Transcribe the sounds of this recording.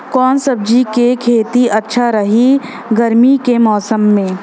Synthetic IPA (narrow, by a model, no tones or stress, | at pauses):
kɔːnsɐb̚d͡ʒikekʰeːt̪iɐtːʃʰaɾɐɦi | ɡɐɾmikemɔːsəmːẽː